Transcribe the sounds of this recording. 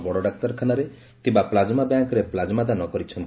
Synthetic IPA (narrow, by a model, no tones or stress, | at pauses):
bɔɽɔɖak̚t̪aɾkʰanaɾe | t̪ibaplad͡ʒmabjaŋkɔɾeplad͡ʒmad̪anɔkɔɾit͡ʃʰɔnt̪